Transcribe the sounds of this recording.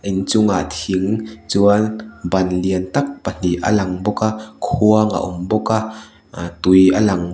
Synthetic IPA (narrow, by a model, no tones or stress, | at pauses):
ʔint͡sʊŋat̪ʰiŋt͡suɐnbɐnliənt̪ɐk̚pɐn̥iʔɐ̰lɐŋbɔkakʰuɐŋa̰ʔʊmbɔka | t̪ujalɐŋ